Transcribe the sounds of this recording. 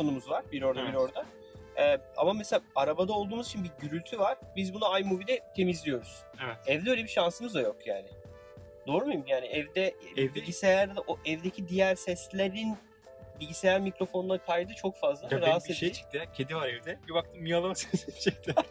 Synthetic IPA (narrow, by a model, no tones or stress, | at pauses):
kʰo̞numuzvaɾbiɾo̞ɾd̪abiɾo̞ɾd̪a | ɛːa̰mameselʲaaɾabad̪ao̞lˠd̪uːmuzit͡ʃʰinbiɟyɾylʲt̪ʰyvaɾ̥bizbunaajmuvid̪ʲɛt̪ʰe̞mizlʲijo̞ɾuz̥ | evɛt̪ɛvd̪ɛøjlʲebiʃansɯmɯzd̪ajo̞kja̰ːnɪ | d̪̥o̞ːɾumujumjaːnɪʔɛvd̪ɛbilʲɟisejæɾd̪d̪ʔoʔɛvd̪ecʰid̪ijæɾsɛslʲeɾin | bilʲɟisejæɾmikɾo̞fo̞nlˠaɾkʰajɯd̪ɯt͡ʃʰo̞kfazlˠaɾaɦat̪seet͡ʃʰi̥k̚t̪ɪcʰed̪ivaɾɛvd̪ɛbibak̚t̪ʰɯmmijalˠamaksasbi̥ʃekt̪ɛ